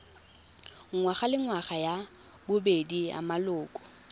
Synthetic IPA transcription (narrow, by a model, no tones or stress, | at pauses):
ŋŋwaχalɪŋwaχaja | bʊbedia̰malʊːkʼɔ̥